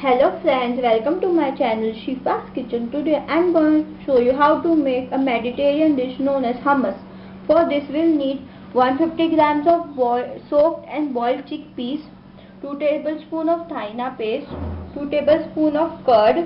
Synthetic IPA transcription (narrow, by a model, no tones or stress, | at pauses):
hɛloːfɾɛ̃ɳɖzʋɛlkə̃mʈumaɪt͡ʃænəlʃiːpaskɪt͡ʃə̃nʈuɖeʔɛ̃ɳɖɡɔ̃ʃoːjuɦaʊʈumeːkəmɛɖɪʈeːɾiə̃nɖɪʃnõːnɛzhɐməs | fɔːɾd̪ɪsʋɪlniːɖ | ʋʌ̃nfɪfʈiɡɾãːmsɔfbɔsoːk̚ʈɛ̃ɳɖbɔːɪlɖt͡ʃik̚piːs | ʈuːʈeːbəlspũːnɔːʋt̪ʰainapeːsʈʈuːʈeːbəlspũːnɔːʋkəɾɖ